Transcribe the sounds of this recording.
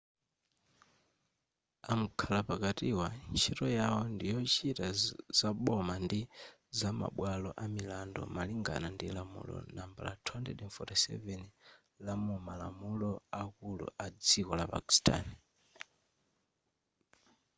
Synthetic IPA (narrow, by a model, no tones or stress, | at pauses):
am̩kʰalapakatiwant͡ʃʰiɾɔjawɔndijɔt͡ʃitazaɓɔmandi | zama̰ɓwalɔʔamilandɔ̰maliŋɡa̰nandilamṵlɔ̰namba̰la̰tʰwantɛdɛnfɔtisɛ̰vɛn | lamumala̰mulɔakulṵʔad͡zikɔlapa̰ki̥stʰʼa̰ni